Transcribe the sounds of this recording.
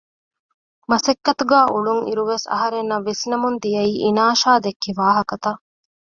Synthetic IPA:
mɐsɐkːɐt̪uɡæːʔuɭuŋḭɾuʋesɐ̰ɦɐɾenːɐʋːisnɐmund̪ijɐiːʔinaːʃaːd̪ekːiʋaːɦɐkɐt̪ɐ

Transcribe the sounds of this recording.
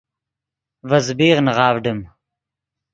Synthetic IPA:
vɐzbiːʁnʁɑːvɖɨm

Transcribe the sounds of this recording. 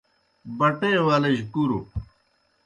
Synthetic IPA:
bɐʈeːwaːlɐʑkuɾu

